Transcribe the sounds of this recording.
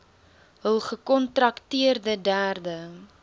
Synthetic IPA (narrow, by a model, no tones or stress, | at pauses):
ɦəlˠχəkɔntrɐktiərdədæːrdə